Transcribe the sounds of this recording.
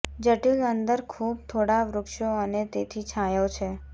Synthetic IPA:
d͡ʒəʈilənd̪əɾkʰub̚t̪ʰoɽaʋɾʊkʃoənet̪et̪ʰit͡ʃʰãjot͡ʃʰe

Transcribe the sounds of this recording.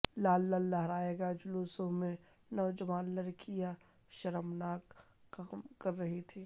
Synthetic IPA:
laːlːɐlːɐɦɾaːeːɡad͡ʒʊluːsõmẽ | nɔːd͡ʒɐʋaːnlɐɾkija | ʃɐɾəmnaːkː | amkɐɾːɐɦit̪ʰiː

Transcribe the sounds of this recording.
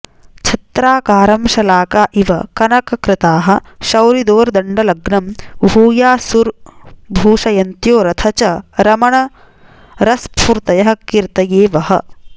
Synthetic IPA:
t͡ʃʰɐt̪ɾaːkaːɾɐmʃɐlaːkaːʔiʋɐ̰kɐnɐkɐkɾɪt̪aːɦɐ̆ʃɐwɾid̪oːɾd̪ɐɳɖɐlɐɡɳɐmʱuːjaːsuɾbʱuːʂɐjɐnt̪joːɾɐt̪ʰɐt͡ʃɐɾɐmɐɳɐ | ɾɐspʰuɾt̪ɐjɐɦɐ̆kiɾt̪ɐjeːʋɐɦɐ̰

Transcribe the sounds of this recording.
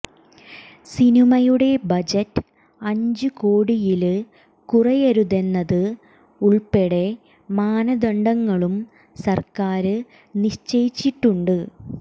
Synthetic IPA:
sinimɐjuɽe̞bɐd͡ʑɐtː | ɐɲd͡ʑɨkoːɽijil | kurɐjɐɾuðe̞nːɐðɨ | uɭpeɽe̞ | maːnɐd̪ɐɳɖɐŋːɐɭum | sɐrkaːɾɨ | niɕt͡ɕejit͡ɕːiʈːuɳɖɨ

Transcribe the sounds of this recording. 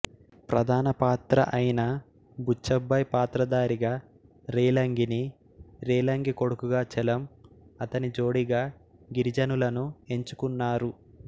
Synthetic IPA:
pɾɐd̪ʱaːnɐpaːt̪ɾɐ̰ʔɐjnɐ | bʱut͡ʃːɐbʱːɐjpaːt̪ɾɐd̪aːɾiɡaː | ɾiːlɐŋɡini | ɾeːlɐŋɡiko̞ɽukuɡaːt͡ʃɛlɐmɐt̪ɐnid͡ʒo̞ːɽiɡaː | ɡiɾid͡ʒɐnulɐnue̞ɲt͡ʃu̥kunːaːɾu

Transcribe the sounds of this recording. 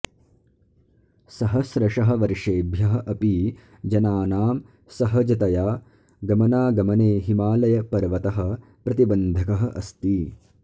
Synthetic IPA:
sɐɦɐsɾɐʂɐɦɐ̆ʋɐɾʂeːbʱjɐɦɐ̆ʔɐpiː | d͡ʒɐnaːnaːm | sɐɦɐd͡ʒɐt̪ɐjaː | ɡɐmɐnaːɡɐmɐneːɦimaːlɐjɐpɐɾʋɐt̪ɐɦɐ̆ | pɾɐt̪ibɐnd̪ʱɐkɐɦɐʔɐst̪i

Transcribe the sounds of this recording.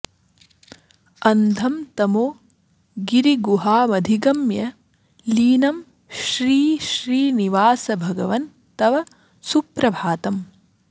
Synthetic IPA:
ɐnd̪ʱɐmt̪ɐmoː | ɡiɾiɡuɦaːmɐd̪ʱiɡɐmjɐ | liːnɐm | ʃɾiːʃɾiːniʋaːsɐbʱɐɡɐʋɐn | t̪ɐʋɐ | supɾɐbʱaːt̪ɐm

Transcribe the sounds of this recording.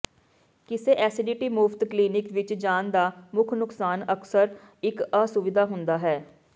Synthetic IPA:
kɪseːʔɛːsɪɖiʈiːmuːft̪kliːnɪkʋɪt͡ʃd͡ʒaːnd̪aːmʊkʰnʊksaːnəksəɾ | ɪkaːsʊʋɪd̪aːɦʊnd̪aːɦɛː

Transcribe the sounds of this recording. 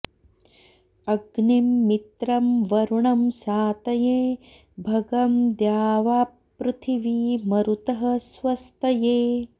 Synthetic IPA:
ɐɡnimːit̪ɾɐmʋɐɾuɳɐmsaːt̪ɐjeː | bʱɐɡɐmd̪jaːʋaːpɾut̪ʰiʋiːmɐɾut̪ɐɦɐsʋɐst̪ɐjeː

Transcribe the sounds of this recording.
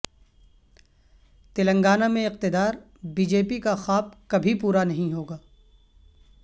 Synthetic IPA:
t̪ɪlə̃ŋɡaːnamẽɪq̚t̪ɪd̪aːɾ | biːd͡ʒeːpikaxaːb̚kɐbʱipuːɾanɐɦĩɦoːɡaː

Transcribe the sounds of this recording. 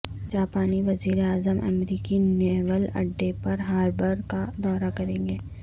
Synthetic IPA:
d͡ʒaːpaːniʋɐziːɾeaːzəmʔɐ̰mɾiːkineːʋəlɐ̰ɖːepɐɾɦaːɾbəɾkad̪ɔːɾakɐɾẽːɡeː

